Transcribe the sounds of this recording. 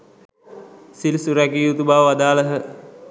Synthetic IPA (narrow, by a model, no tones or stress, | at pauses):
silsuɾækiut̪ubaːʋəʋad̪aːləɦə